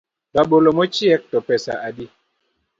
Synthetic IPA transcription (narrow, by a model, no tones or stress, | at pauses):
kaɓolomɔt͡ʃiɛk̚tɔpɛsa̰adi